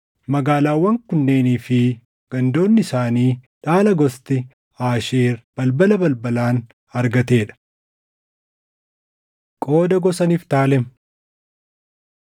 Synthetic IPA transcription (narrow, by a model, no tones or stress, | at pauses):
mɐɡaːlaːwːɐŋkʊnːe̞ːniːfɪ | ɡ̥ɐnd̪o̞ːnːɪɪsaːniːᶑaːlɐɡɔst̪ɪ | aːʃeːɾb̥ɐlbɐlɐbɐlbɐlaːn | ɐɾɡɐt̪e̞ːᶑɐ̥ | kʼo̞ːd̪ɐɡɔsɐniːft̪aːlɛm